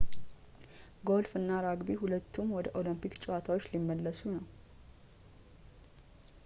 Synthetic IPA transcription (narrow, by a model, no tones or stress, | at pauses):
ɡo̞lfɨnːaɾaɡbiɦulət̪ːumwɔd̪əʔo̞limpʰikt͡ʃʼɛwat̪ʰawot͡ʃːlimːəlːəsunəw